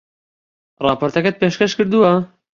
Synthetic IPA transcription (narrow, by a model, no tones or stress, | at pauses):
rˤɑːpʰoːɾt̪ɛkɛt̪̚peːʃkɛʃkɨɾd̪uwɐ